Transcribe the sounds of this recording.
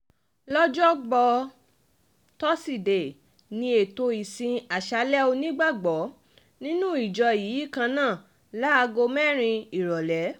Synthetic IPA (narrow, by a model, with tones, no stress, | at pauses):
lɔ˦d͡ʒɔ˦ɡ͡bɔ˧ | tɔ˦si˦˨de˨ | nĩ˧e˨to˧i˨sĩ˧a˨ʃa˧lɛ˦o˧nĩ˦ɡ͡ba˦˨ɡ͡bɔ˨˦ | nĩ˦nũ˦i˨d͡ʒɔ˧ji˨˦i˦˨kã˧nãː˦˨ | la˦a˧ɡo˧mɛ˦˨ɾ̃ĩ˧i˨ɾɔ˨lɛ˨˦